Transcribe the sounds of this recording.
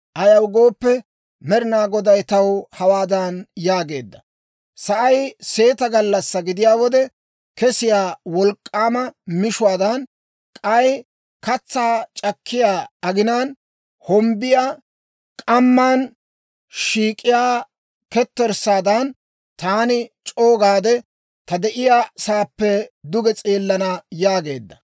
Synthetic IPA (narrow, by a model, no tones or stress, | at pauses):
ʔɐjɐwɡo̞ːpːɛ | mɛɾɪnaːɡɔd̪ɐjt̪ɐwhɐwaːd̪ɐnjaːɡe̞ːd̪ːɐ | sɐʔɐjse̞ːt̪ɐɡɐlːɐsːɐɡɪd̪ɪjaːwɔd̪ɛ | kɛsɪjaːwɔlkʼːaːmɐmɪʃʊwaːd̪ɐn | kʼɐj | kɐt͡sːaːt͡ʃʼɐkʰːɪjaːɐɡɪnaːn | hɔmbɪjaː | kʼɐmːaːn | ʃiːkʼːɪjaː | kɛt̪ːɛɾsaːd̪ɐn | t̪aːnɪt͡ʃʼo̞ːɡaːd̪ɛ | t̪ɐd̪ɛʔɪjaːsaːpːɛd̪ʊɡɛt͡sʼeːlːɐnɐjaːɡe̞ːd̪ːɐ